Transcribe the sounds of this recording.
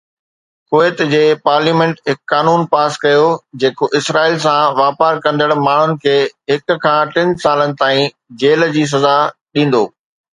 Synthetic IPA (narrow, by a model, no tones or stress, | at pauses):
koːɪt̪d͡ʑeːpaːɾliːmɛ̃ɳʈɦɪkːaːnuːnpaːskɐjod͡ʑeːkoʔɪsɾaːilsãʋaːpaːɾkɐ̃nd̪əɽmaːɳ̤ʊnɪ̆kʰeːɦɪk̆kʰːãːʈɪ̃nsaːlənɪ̆t̪aːĩ | d͡ʑeːl̆d͡ʑiːs̬ɐzaɗĩːn̆d̪o̰ː